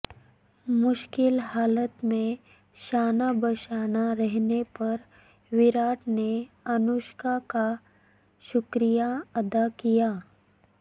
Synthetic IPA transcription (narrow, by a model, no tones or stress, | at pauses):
mʊʃkɪlhaːlət̪mẽ | ʃaːnabəʃaːnaɾɛɦnepɐɾ | ʋɪɾaːʈne | ɐnʊʃkaka | ʃʊkɾijaɐd̪akijaː